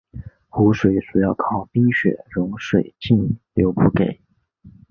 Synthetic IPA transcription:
xu˧˥ʂwe˨˩ɪsu˨˩jɑ˥˩ʊkʰɑ˥˩ʊpi˥ŋɕɥɛ̰˨˩ɻʊ˧˥ŋʂwe˨˩ɪt͡ɕi˥˩nljo˧˥ʊpu˥˩ke˨˩˦ɪ

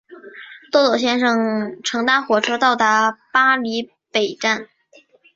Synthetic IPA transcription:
t̪ɔ˥t̪ɔ˨˩ʊɕ̬jɛ˥nʂɤ˥˩ŋʈ͡ʂʰɤ˧˥ŋt̪a˥nxwɔ˨˩ʈ͡ʂʰɤ˥t̪ɑ˥˩ʊt̪a˧˥pa˥li˧˥ | pe˨˩ɪʈ͡ʂa˥˩n

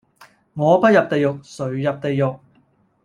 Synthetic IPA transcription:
ŋɔː˨˧pɐ˥t̚jɐ˨p̚t̪e˨˧jʊ˨k̚sɵ˨˥ɥjɐ˨p̚t̪e˨jːʊ˨k̚

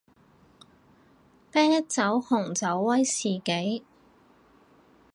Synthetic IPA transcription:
pɛː˥ŋjɐ˥t̚t͡sɐ˨˥whʊ˨˩ŋt͡sɐ˨˥wːɐ˥jsiː˨ke˨˥j

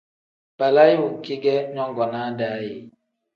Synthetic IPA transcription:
pa˨la˦ji˦u˨ki˦ɡɛ˦ɲɔ˦ŋ˦ɡɔ˨na˨˦da˨ji˨

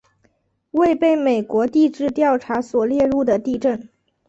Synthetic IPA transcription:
we˥˧ɪpe˥˩ɪme˨˩ɪkwɔ˧˥t̪i˥˧ʈ͡ʂɻ̩˥˧t̪jɑ˥˩ʊʈ͡ʂʰa˧˥swɔ˨˩ljɛ˥˧ɻu˥˩d̪ə˩t̪i˥˧ʈ͡ʂə˥˩n

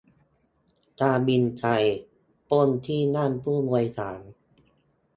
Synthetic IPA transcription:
kaː˧bi˧nt͡ɕʰa˧j | po˥˩nt̪ʰiː˥˩na˥˩˨npʰuː˥˩nu˧əjk̪ʰaː˩˦n

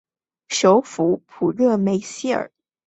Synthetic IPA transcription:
ʂo˧˥ʊfu˧˥pʰu˨˩ɻɤ˥˩me˧˥ɪɕi˥˩ə̰˞˨˩˦

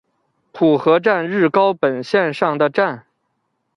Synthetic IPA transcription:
pʰu˨˩xɤ˧˥ʈ͡ʂa˥˧nɻɻ̩˥˩kɑ˥ʊpə˨˩nɕjɛ˥˧nʂɑ˥˩ŋd̪ə˩ʈ͡ʂa˥˩n

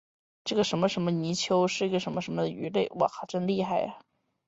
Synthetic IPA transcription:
ʈ͡ʂɤ˥˩ɡə˩ʂə˧˥nmə˧ʂə˧˥nmə˧ni˧˥t͡ɕʰjo˧˥ʊʂɻ̩˥˩i˧˥ɡə˧ʂə˧˥nmə˧ʂə˧˥nmə˧˩d̪ə˨y˧˥le˥˩ɪwɔ̰˨˩xɑ˨˩ʊʈ͡ʂə˥˧ŋli˥˧xa˥˩ɪɐ˩

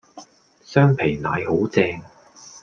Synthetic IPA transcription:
sœː˥ŋpʰe˨˩jnaː˨˧jho˨˥wt͡sɛː˧ŋ

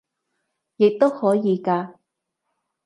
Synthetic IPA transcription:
jɪ˨k̚t̪o˥whɔː˨˥jiː˨˧kaː˧

